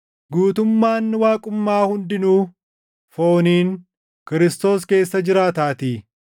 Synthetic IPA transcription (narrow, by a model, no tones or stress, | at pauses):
ɡuːt̪ʊmːaːnːɪwaːkʼʊmːaːhʊnd̪ɪnuː | fo̞ːniːn | kɪɾɪst̪o̞ːske̞ːsːɐd͡ʒɪɾaːt̪aːt̪iː